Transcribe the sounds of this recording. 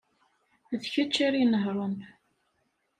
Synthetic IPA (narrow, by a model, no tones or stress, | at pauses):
ðçət͡ʃːaɾinəɦɾˤom